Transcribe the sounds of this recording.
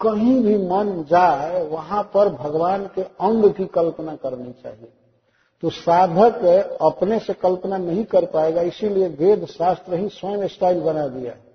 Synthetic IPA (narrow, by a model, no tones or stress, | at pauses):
kəɦĩbʱimənd͡ʒaeʋəɦãpəɾbʱəɡʋankeə̃ŋɡkikəlpnakəɾnit͡ʃa̰ɦi | t̪ɔsad̪ʱəkeəpnesẽkəlpənanəɦĩkəɾpaeɡaɪsiliebed̪ʱsast̪ɾəɦĩsənesʈailbənad̪ija̰